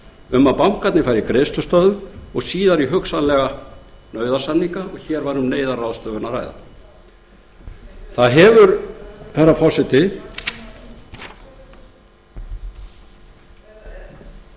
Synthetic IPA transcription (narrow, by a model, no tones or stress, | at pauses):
ʏmːaðpawm̥kat̪nɪfaːjɾikɾeːst̪ʏst̪œðʏɔɣsiːðaɾiɦʏksanlɛɣanœːɥðasanːiŋkaɔɣçɛːɾvaɾ̥hunːeːjðaraːwðst̪œːvʏnara̰ːjða̰ | θaðɦɛvʏɾfɛɾːafɔr̥sɛt̪ɪ